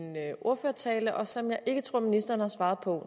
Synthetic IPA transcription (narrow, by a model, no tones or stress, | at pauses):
nøʔo̝ɐ̰føːɐt͡sʰɛːləʔɒ̽sɒɒ̽mjɑ̈ɪʔe̝ɡ̥ət͡sʰʁo̝ɐ̰minisd̥ɐːnəhɑ̈sʋɑ̈ːð̞̩ˠpʰɒ̽